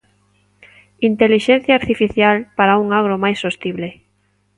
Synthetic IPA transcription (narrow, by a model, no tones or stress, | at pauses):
int̪eliʃen̟θjaːɾt̪ifiθjalpaɾauŋaɣ̞ɾomajsːost̪iβle